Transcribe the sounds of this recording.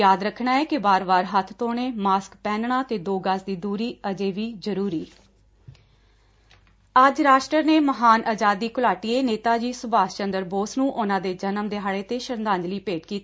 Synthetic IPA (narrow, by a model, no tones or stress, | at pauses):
jaːd̪ɾəkʰːɳaːɛːkɪbaːɾbaːɾɦət̪ʰt̪oːɳ̃eːmaːskpɛ̃ːnɳaːt̪eːd̪oːɡaːsd̪iːd̪uːɾiːəd͡ʒeːʋiːzəɾuːɾiː | əd͡ʒɾaːʃʈɾəneːməɦaːnʔaːd͡ʒaːd̪iːkʊlaːʈieːneːt̪aːd͡ʒiːsʊbaːst͡ʃənd̪əɾboːsnũːʔʊnãːd̪eːd͡ʒənəmd̪eːɦaːɭeːt̪eːʃəɾnd̪ãːnd͡ʒliːpeːʈkiːt̪ː